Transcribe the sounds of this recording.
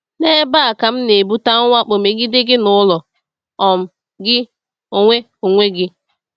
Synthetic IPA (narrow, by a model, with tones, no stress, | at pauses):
ne˦ba˦a˨ka˨m̩˦ne˨bu˦ta˦ŋ̩˦ŋʷa˦k͡po˨me˨ɡi˦dɪ˦ɡɪ˦nʊ˦ʊ˦lɔ˨ | ɔ˨m̩˨ | ɡɪ˦ | o˨ŋʷe˦ | o˨ŋʷe˦ɡɪ˦